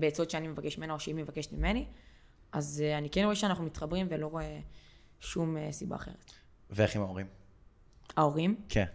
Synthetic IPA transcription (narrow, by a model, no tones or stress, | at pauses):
beːt͡sotʃeanime̞vakeʃmimenaoʃeimevakeʃetmimeni | azanikenʁoeʃeanaχnumit̪χabʁimvelo̞ʁoe | ʃumesiba̰ːχe̞̰ʁet | veeχimaoʁim | aoʁimkʰen